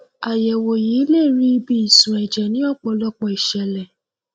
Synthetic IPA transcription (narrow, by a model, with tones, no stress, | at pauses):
a˨jɛ˨wo˨ji˨˦le˦˨ɾi˦bi˦i˨sũ˨ɛ˨d͡ʒɛ˨nĩ˦ɔ˦˨k͡pɔ˧lɔ˧k͡pɔ˨i˨ʃɛ˨lɛ˨